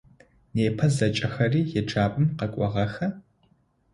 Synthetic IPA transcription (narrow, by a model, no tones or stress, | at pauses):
neːpʰɐzɐt͡ʃʼɐxɐriːjɛʈ͡ʂʰaːpʼɨmqɐkʷʼɔʁɐxɐ